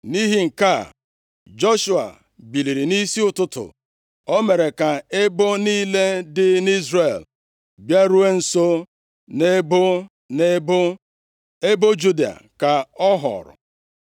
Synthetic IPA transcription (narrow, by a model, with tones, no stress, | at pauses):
ni˦ɦi˦ŋ̩˨ka˦˨ | d͡ʒɔ˦ʃu˦˨a̰˨ | bi˨li˨ɾi˨ni˦si˦ʊ˦tʊ˦tʊ̰˨ | ɔ˦me˨ɾe˨ka˨e˦bo˦niː˦le˦dɪ˦ni˦zre˨l | bja˦ɾu˦e˦n̩˨so˦ | ne˦bʊ˦ | ne˦b | e˦bo˦d͡ʒu˦di˨a̰˨ka˨ɔ˦ɦɔ̰˨ɾʊ̰˨